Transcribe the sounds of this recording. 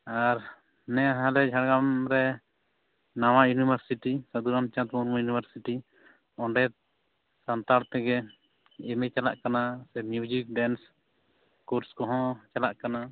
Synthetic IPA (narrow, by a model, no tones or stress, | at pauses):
aɾ | nɛaɦãlɛd͡ʒʱaɽɡamɾɛ | nawajunibʱəɾsiʈisad̪uɾamt͡ʃãt̪muɾmajunibəɾsiʈi | ɔɳɖɛt̪̚ | sant̪aɽt̪ɛɡɛ | ɛmɛt͡ʃala̰ʔkanasɛmjud͡ʒik̚ɖɛns | kuɾskɔɦɔ̃t͡ʃalaʔkana